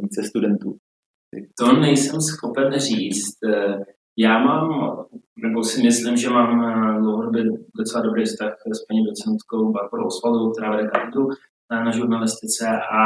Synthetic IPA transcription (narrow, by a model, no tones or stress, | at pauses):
vit͡sɛst̪udɛnt̪ṵː | t̪o̞nɛjsɛmsxo̞pɛnriːt͡st̪ | jaːmaːm | nɛbo̞sɪmɪslɪmʒɛmaːmdlowɦodobɪdot͡sɛladobɾejfst̪axspaɲɛdot͡sɛnt̪ko̞wbaɾboɾo̰wospaloowk̚t̪ɛɾaːvɛdɛpɾavdu | anaʒuɾnalɪst̪ɪt͡sɛʔa